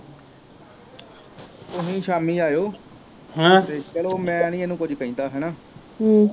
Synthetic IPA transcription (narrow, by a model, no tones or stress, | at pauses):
t̪ʊɦĩːʃaːmiːaːjoː | ɦãːt̪eːt͡ʃɛːloːmɛ̃ːnĩːenũːkʊd͡ʒkəĩːd̪aːɦɛːnaː